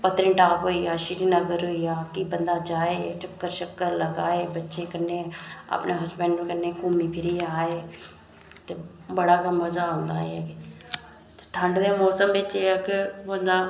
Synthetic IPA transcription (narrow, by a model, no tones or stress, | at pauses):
pət̪ɾĩːʈaːpɦoːijaːʃɪɾinəɡəɾɦoijaːkiːbənd̪aːd͡ʒaːeːt͡ʃəkːəɾt͡ʃəkːəɾləɡa̰ːeːbətːʃẽkənːeːa̰pneːɦɐsbɛ̃ːɳɖkənːeːkumipʰɪɾiaːeː | t̪ebəɽaːkaməzaːɦõːnd̪aːɦɛ̰ | t̪ːʈʰə̃ɳɖd̪eːmɔːsəmbet͡ʃeakɪbənd̪aː